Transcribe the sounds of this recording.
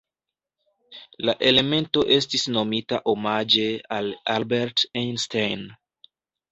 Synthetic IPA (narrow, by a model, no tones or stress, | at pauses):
laʔe̞le̞me̞nto̞ʔe̞stisno̞mitaʔo̞mad͡ʒe̞alalbeɾtinstajn